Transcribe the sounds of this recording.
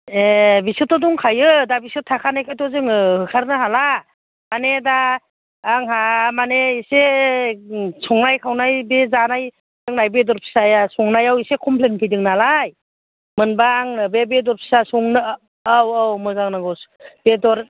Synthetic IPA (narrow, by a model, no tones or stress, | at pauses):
ebisitɔdɔŋkʰajɯdabisɯtʰːakʰanajkʰatɔzɯŋɯhɯkʰaɾnɯɦala | manedaː | ŋɦamaneise | sɔŋnajkʰawnajbezanaj | zɯŋnajbedɔɾpʰi̥sajasɔŋnajawisekʰɔmpʰlenpʰɯjdɯŋnalaj | mɯnbaːŋnɯbebedɔɾpʰi̥sasɔŋnɯ | awwmɯzaŋnaɡɔsb̥edɔɾ